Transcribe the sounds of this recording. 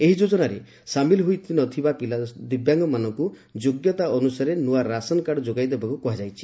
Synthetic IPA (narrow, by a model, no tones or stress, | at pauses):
eɦid͡ʒod͡ʒɔnaɾḛ | samilɔɦujt̪ʰinɔt̪ʰibapilad̪ibjaŋɡɔmanɔŋku | d͡ʒoɡjɔt̪aɔnusaɾenuaɾasɔnɔkaɽɔd͡ʒoɡajd̪ebakukɔɦad͡ʒajt͡ʃʰi̥